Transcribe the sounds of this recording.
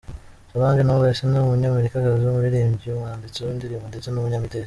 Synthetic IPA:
saβaːɲɡenowesenomuɲaːme̞ɾikakaziomuɾiɾiːmbɟiumaːndit͡siundiɾiːmundet͡senumuɲamite

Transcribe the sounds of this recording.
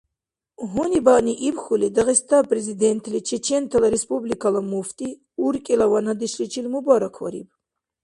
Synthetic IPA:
ɦunibaniʔipxulid̪aʁɛst̪ʰapʼɾɛzid̪ɛnt̪ʰlit͡ʃʰɛt͡ʃʰɛnt̪ʰalaɾɛspʼublikʰalamuft̪ʼi | uɾkʼilawanhad̪iʃlit͡ʃʰilmubaɾakʰwa̰ɾḭb

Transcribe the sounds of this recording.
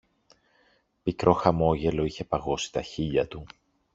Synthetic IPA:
pikɾo̞xɐmo̞ʝe̞lo̞içe̞pɐɣo̞si̥t̪ɐçiʎɐt̪u

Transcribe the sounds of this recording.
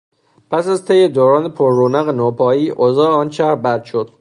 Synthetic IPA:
pʰæsæzt̪ʰejed̪oːɾɒːnepʰoɾːoːnæɣenoːpʰɒːjiːʔozɒːeɒːnt͡ʃæɾbæɾd̪̥ʃod̪̥

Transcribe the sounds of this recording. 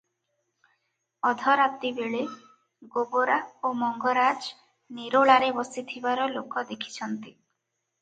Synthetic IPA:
ɔd̪ʱɔɾat̪ibeɭe | ɡoboɾaomɔŋɡɔɾad͡ʒ | niɾoɭaɾebɔsit̪ʰibaɾɔlokʰɔd̪ekʰi̥t͡ʃʰɔnt̪i

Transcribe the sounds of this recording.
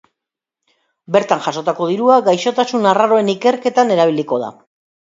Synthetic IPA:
be̞ɾt̪aŋʝaso̞t̪ako̞ð̞iɾuaɡajʃo̞t̪asunaraɾo̞e̞nike̞ɾke̞t̪ane̞ɾaβ̞iliko̞ða̰

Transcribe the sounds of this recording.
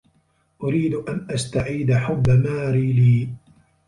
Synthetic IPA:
ʔʊɾiːd̪ʔanʔast̪aʕiːd̪aħʊbːamaːɾiːliː

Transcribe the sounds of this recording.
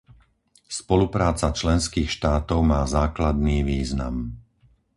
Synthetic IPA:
spɔlupɾaːt͡sat͡ʃlɛnskiːxʃt̪aːt̪ɔʊmaːzaːklad̪niːʋiːzna̰m

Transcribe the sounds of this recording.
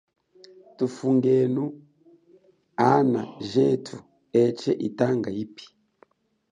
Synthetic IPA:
tufuŋɡɛnu | ana̰ʒɛtʰu | ɛt͡ʃɛʔitaŋɡaipi̥

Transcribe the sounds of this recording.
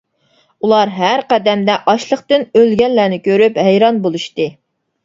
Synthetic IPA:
ulˠɑɾɦæɾqɛd̪ɛmd̪ɛʔɑʃlˠəχt̪ɨnølɡʲɛnlæːnɪkʲʰøɾypɦɛjɾɑnbolˠuʃt̪ɨ

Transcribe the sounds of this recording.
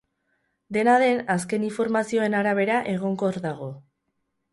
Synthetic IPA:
d̪e̞naðe̞nas̬ke̞niɱfo̞ɾmasio̞e̞naɾaβ̞e̞ɾaʔe̞ɣ̞o̞ŋko̞ɾðaɣ̞o̞

